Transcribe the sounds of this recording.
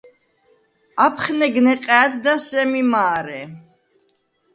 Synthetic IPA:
apʰχnɛɡnɛqʼɛːt̪̚d̪asɛmimaːɾɛ

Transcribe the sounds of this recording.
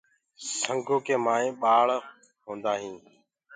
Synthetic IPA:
səŋɡʱoːkeːmaːẽːɓaːɭ | ɦõːnd̪aːɦĩː

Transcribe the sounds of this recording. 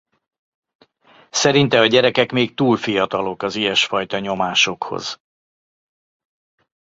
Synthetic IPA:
sɛɾint̪ɛɒɟɛɾɛkɛkmeːk̚t̪uːlfijɒt̪ɒlo̞kɒzijɛʃfɒjt̪ɒɲo̞maːʃo̞kho̰z̥

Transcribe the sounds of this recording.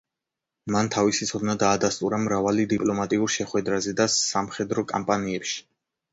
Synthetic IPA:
mant̪ʰavisit̪sʰɔd̪nad̪aːd̪ast̪ʼuɾamɾavalid̪ipʼlɔmat̪ʼiuɾʃɛχwɛd̪ɾazɛd̪asamχɛd̪ɾɔkʼa̰mpʼaniɛpʃi̥

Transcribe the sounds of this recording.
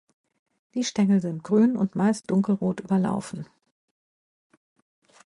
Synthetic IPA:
d̥iːʃtɛŋl̩zɪnt̚ɡ̥ʁyːnʊ̰ntmaɪst̚d̥ʊŋkl̩ʁoːtʔyːbɐla̰ʊfn̩

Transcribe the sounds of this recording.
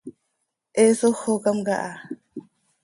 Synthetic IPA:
ʔesoxokamɡaʔa

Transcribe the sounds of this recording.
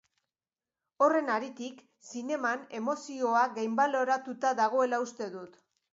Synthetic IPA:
o̞re̞naɾit̪ik | sine̞mane̞mo̞sio̞aɣejmbalo̞ɾat̪ut̪aðaɣ̞o̞e̞laust̪e̞ðut̪

